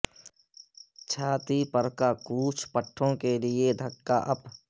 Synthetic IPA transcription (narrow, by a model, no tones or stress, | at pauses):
t͡ʃʰaːt̪ipəɾkakuːt͡ʃʰpəʈʰːõkelɪed̪ʱəkːa̰ʔɐp